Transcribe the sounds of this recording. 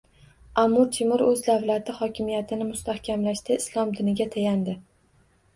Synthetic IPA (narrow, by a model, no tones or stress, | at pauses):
amːʊɾt̪ʰɪmɪɾɵzd̪avlat̪ʰɪhɒkʲɪmijat̪ʰɪnɪmʊst̪ʰahkʲʰamlaʃt̪aɪslˠɒmd̪ɪnɪɡʲat̪ʰajand̪ɪ